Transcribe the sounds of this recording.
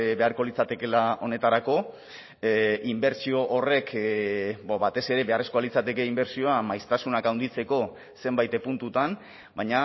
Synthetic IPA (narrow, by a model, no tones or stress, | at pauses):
be̞aɾko̞lit͡sat̪e̞ke̞lao̞ne̞t̪aɾako̞ | imbe̞ɾsio̞ʔːre̞k | baβat̪e̞se̞ɾe̞βe̞are̞skoalit͡sat̪e̞ke̞imbe̞ɾsio̞amajst̪asunakawnd̪it͡se̞ko̞ | se̞mbajt̪epunt̪ut̪an | bajɲa